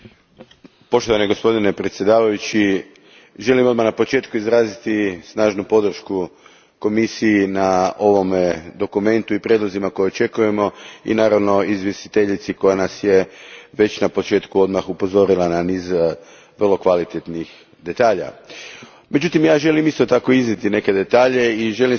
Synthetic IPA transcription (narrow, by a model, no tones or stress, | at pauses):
po̞ʃt̪o̞ʋaneɡo̞spo̞d̪ine̞pɾe̞t̪sjed̪aːʋajut͡ɕi | ʒe̞limo̞d̪maxnapo̞t͡ʃe̞ːt̪kuizɾaːzit̪isnaːʒnupo̞d̪r̩ʃku | ko̞misijinao̞ʋo̞med̪o̞kume̞nt̪uipɾjed̪lˠozimako̞jeot͡ʃe̞kuje̞mo̞ḭnaːɾaʋno̞izʋje̞st̪i̥t̪e̞ʎit̪siko̞janasje̞ʋe̞t͡ɕnapo̞t͡ʃe̞ːt̪kuo̞d̪maxupo̞zo̞ɾilananiːz | ʋrlˠo̞kʋalit̪et̪nix | d̪e̞t̪aːʎa̰ | me̞d͡ʒut̪imjaːʒe̞limist̪o̞t̪ako̞iznit̪ine̞ke̞d̪e̞t̪aːʎe̞iʒe̞li